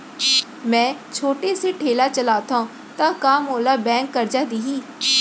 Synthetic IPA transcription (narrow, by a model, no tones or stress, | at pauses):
mɛ̃ːt͡ʃʰoːʈeːseːʈʰeːlaːt͡ʃəlaːt̪ʰã | t̪ãːkaːmoːlaːbɛ̃ːŋkːəɾd͡ʒaːd̪iːɦiː